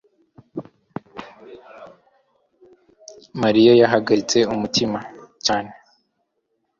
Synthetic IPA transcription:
maɾijojaɦaɡaɾit͡se̞umutimacaːne

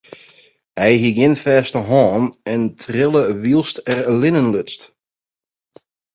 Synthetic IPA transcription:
hɛjɦiɡɪnfɛːstəɦɔːnɛntʰrɪlˠəʋilˠstɛrlɪnənløt͡st

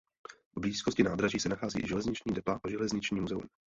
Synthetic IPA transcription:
vbliːskoscɪnaːd̪ɾaʒiːsɛnaxaːzḭːʒɛlɛzɲɪt͡ʃɲiːdɛpaʔaʒɛlɛzɲɪt͡ʃɲiːmuzɛṵm

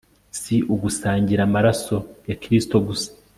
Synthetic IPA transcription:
siʔuɡusaːɲɟiɾamaɾaso̞jaciɾisi̥to̞ɡusḁ

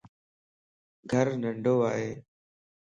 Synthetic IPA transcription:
ɡʱəɾnə̃ɳɖʱoːaːɦeː

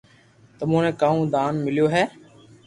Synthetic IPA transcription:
t̪əmũːnẽːkaːũːd̪aːnmɪljoːɦɛː

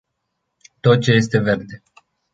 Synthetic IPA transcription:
t̪o̞t̪̚t͡ʃe̞je̞st̪e̞ve̞rd̪e

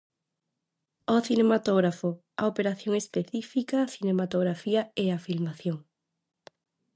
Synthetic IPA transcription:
oθinemat̪oɣɾafo | a̰opeɾaθjoŋespeθifikaːθinemat̪oɣɾafiaeafilmaθjoŋ

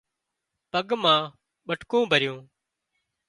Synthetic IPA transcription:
pəɠmãː | ɓəʈʰkõːbʱəɾɪjõː

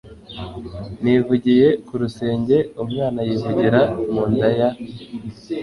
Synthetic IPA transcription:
nivuɟije̞kuɾuse̞ːɲɟe̞umŋaːnajivuɟiɾamuːndaja

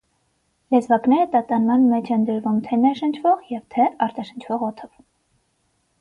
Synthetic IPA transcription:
lɛzvɑknɛɾət̪ɑt̪ɑnmɑnmɛt͡ʃʰɛnd̪əɾvumt̪ʰɛnɛʃənt͡ʃʰvɔʁjɛvt̪ʰɛɑɾt̪ɑʃənt͡ʃʰvɔʁɔt̪ʰɔv

